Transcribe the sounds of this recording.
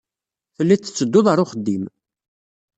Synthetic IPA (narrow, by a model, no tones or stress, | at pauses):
θəlːit͡sːə̥t͡sːəd̪ːʊðˤəɾˤʊχəd̪ːim